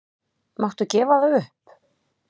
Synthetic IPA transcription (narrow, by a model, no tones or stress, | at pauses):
mawht̪ʏcɛːvaðaʏhp